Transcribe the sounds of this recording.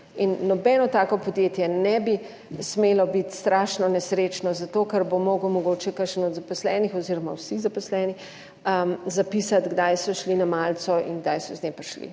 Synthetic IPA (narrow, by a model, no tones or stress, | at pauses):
inːɔbɛnɔt̪aːkɔpɔd̪jeːt̪jɛnɛbi | smeːlɔbit̪st̪ɾaʃnɔnɛsɾet͡ʃnɔzat̪okɐɾbomoːɡəwmɔɡoːt͡ʃɛkəɾʃənɔd̪zapɔslɛːnixɔziːɾɔmawsizapɔslɛni | əzapisat̪ɡd̪ajsɔʃlinamaːlt̪sɔʔḭnɡd̪ajsɔznepaʃlḭ